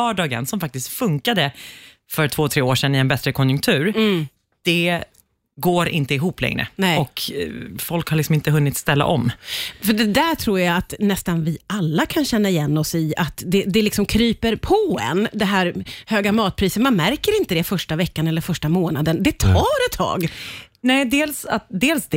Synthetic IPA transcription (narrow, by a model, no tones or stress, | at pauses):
œːɖɑːɡə̰nsɔmfak̚t̪ɪst̪fɵŋkad̪ə | fœɾtʰv̥oːt̪ʰɾeːoːʂɛnːɪɛnbɛt̪ɾəkʰɔnjɵŋk̚t̪ʰʉ̟ːɾ | d̪̥ɛ | ɡoːɾʔɪ̰nt̪əɪɦuːplɛ̰ŋɾə̰nɛɔkfɔlkhaɾlɪksɔmɪnt̪əɦɵnːɪt̪st̪ɛlːa̰ʔɔ̰mːfœɖɛd̪æʈʰɾuːjaat̪nɛst̪anvɪʔalːakʰanɕɛnːaɪjɛnːɔsɪat̪d̪ɛd̪ɛlɪksɔmkʰɾyːpəɾpʰɔɛ̰nd̪ɛɦæːɾhøːɡamɑːt̪̚pʰɾiːsət̪manmæɾkəɾɪnt̪əd̪ɛfœʂʈavɛkːanɛlːəɾfœʂʈamoːnad̪ənd̪ɛt̪ʰɑːɾɛt̪ʰːɑ̰ːɡnɛːd̪eːlsa̰t̪̚d̪eːlsd̪